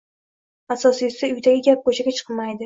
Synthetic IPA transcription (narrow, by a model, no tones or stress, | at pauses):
asɒsɪjʊsaʊjd̪aɡʲɪɡʲap̚kot͡ʃʰaɡʲat͡ʃʰɨ̥qmajd̪ɪ